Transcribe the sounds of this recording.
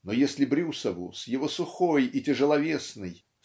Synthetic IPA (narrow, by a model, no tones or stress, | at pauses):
nojesʲlʲɪbɾʲusəvʊ̰sjɪvosʊxojitʲɪʐəlˠɐvʲe̞snɨj